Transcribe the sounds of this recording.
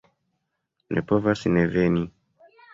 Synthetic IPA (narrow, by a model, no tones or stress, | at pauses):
nʔḛpovasneveni